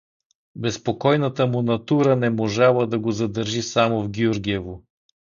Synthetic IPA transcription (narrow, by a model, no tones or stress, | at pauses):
bɛspokɔjnət̪əmunɐt̪uɾənɛmoʒalˠəd̪ɐɡozɐd̪əɾʒisamovɡʲiuɾɡʲiɛvo